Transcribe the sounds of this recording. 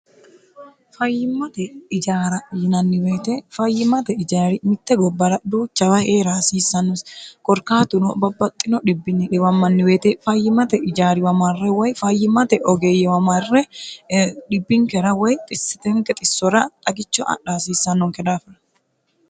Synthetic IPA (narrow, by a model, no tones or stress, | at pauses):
fɐjːɪmːɐt̪ɛɪd͡ʒaːɾɐjɪnɐnːɪwe̞ːt̪ɛfɐjːɪmɐt̪ɛɪd͡ʒaːɾɪmɪt̪ːɛɡɔbːɐɾɐd̪uːt͡ʃːɐwɐheːɾaːsiːsːɐnːɔskʼɔɾkaːt̪ʊnɔbɐbːɐt̪ʼːɪnɔᶑɪbːɪnɪᶑɛwɐmːɐnːɪweːt̪ɛfɐjːɪmɐt̪ɛɪd͡ʒaːɾɪwɐmɐrːɛwɔjfɐjːɪmːɐt̪ɛʔɔɡeːjːɛwɐmɐrːɛ | ɗɪbːɪŋkɛɾɐwɔjt̪ʼɪsːɪ̥t̪ɛŋkɛt̪ʼɪsːɔɾɐt̪ʼɐɡɪt͡ʃːɔʔɐ̰ᶑaːsiːsːɐnːɔŋkɛd̪aːfɐɾɐ